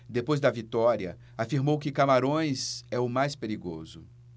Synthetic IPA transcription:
d̪epojzd̪ɐvit̪ɔɾiɐ | afiɾmowkɪkamaɾõj̃zɛʊmajspeɾiɡozʊ̰

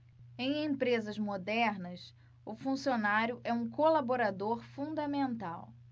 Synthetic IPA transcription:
ẽj̃ẽpɾezɐzmod̪ɛɾnɐs | ʊfũsionaɾjʊʔɛũkolaboɾad̪oɾfũd̪ɐmẽnt̪a̰w

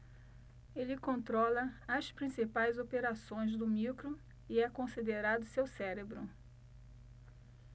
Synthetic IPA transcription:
elɪkõnt̪ɾɔlɐɐspɾĩsipajzopeɾasõj̃zd̪ʊmiwkɾʊ | ɪɛkõsid̪eɾad̪ʊsewsɛɾebɾʊ̰

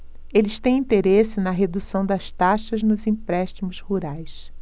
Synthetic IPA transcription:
elɪst̪ẽj̃ĩnt̪eɾesɪnɐɦed̪usɐ̃w̃d̪ɐst̪aʃɐznʊzĩpɾɛʃt͡ʃ̪imʊshuɾajs

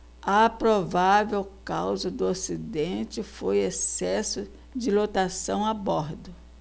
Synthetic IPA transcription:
ɐpɾovavewkawzɐd̪ʊosid̪ẽnt͡ʃɪfojesɛsʊ | d͡ʒɪlot̪asɐ̃w̃abɔɾd̪ʊ

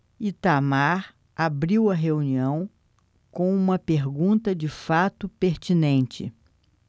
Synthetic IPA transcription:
it̪amaɾ | abɾiwɐɦeuniɐ̃w̃ | kõw̃ũmɐpeɾɡũnt̪ɐd͡ʒɪfat̪ʊpeɾt͡ʃinẽnt͡ʃɪ̰

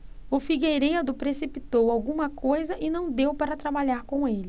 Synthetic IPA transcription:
ʊfiɡejɾejɐd̪ʊpɾesipit̪owawɡũmɐkojzɐʔɪnɐ̃w̃d̪ewpaɾɐt̪ɾabaʎaɾkõelɪ

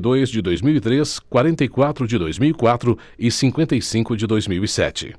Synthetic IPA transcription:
d̪ojzd͡ʒɪd̪ojzmiwit̪ɾeskwaɾẽnt̪ɐikwat̪ɾʊd͡ʒɪd̪ojzmiwikwat̪ɾʊ | ɪsĩŋkwẽnt̪ɐjsĩkʊd͡ʒɪd̪ojzmiwisɛ̰t͡ʃɪ̰

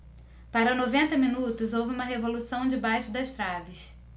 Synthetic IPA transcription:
paɾɐnovẽnt̪ɐmĩnut̪ʊzowvɪũmɐɦevolusɐ̃w̃d͡ʒɪbajʃʊd̪ɐʃt̪ɾavɪs

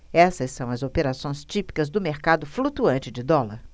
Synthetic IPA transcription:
ɛsɐsːɐ̃w̃ɐzopeɾasõj̃st͡ʃipi̥kɐzd̪ʊmeɾkad̪ʊflut̪uɐ̃nt͡ʃɪd͡ʒɪd̪ɔlɐɾ

